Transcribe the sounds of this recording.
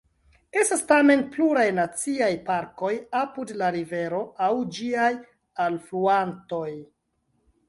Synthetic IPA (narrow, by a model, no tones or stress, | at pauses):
e̞stastame̞npluɾajnat͡siajpaɾko̞japudlaɾive̞ɾo̞awd͡ʒiaj | alfluanto̞j